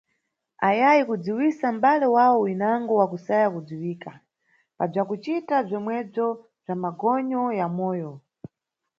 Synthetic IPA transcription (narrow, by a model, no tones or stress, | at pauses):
ajajikud͡ziwisambalɛwawɔwinaŋɡɔwakusajakud͡ziwiːka | pab͡ʐakut͡ʃitab͡ʐɔmwɛb͡ʐɔ | b͡ʐamaɡɔɲɔjamɔːjɔ